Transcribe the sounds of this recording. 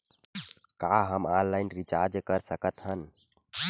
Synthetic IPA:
kaɦəmallːaɪnɾit͡ʃaɾd͡ʒkəɾsəkət̪ɦən

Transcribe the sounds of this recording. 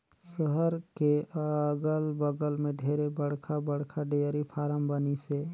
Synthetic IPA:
səɦəɾkeɡəlbəɡəlmẽɖʱeːɾebəɽkʰabəɽ̤kʰaɖejəɾipʰaːɾəmbənise

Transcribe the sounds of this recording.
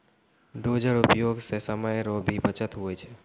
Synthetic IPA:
ɖoːd͡ʒəɾʊpjoɡsesəməjɾobʱibət͡ʃət̪ɦʊet͡ʃʰe

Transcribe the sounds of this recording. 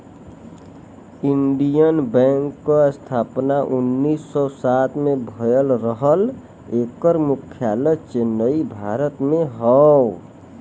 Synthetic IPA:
iɳɖijənbɛ̃ŋkːɔst̪ʰapnaʔunːisːɔsat̪mebʱəjəlɾəɦəl | ekəɾmukʰjalət͡ʃenːəibʱaɾət̪meɦɔ

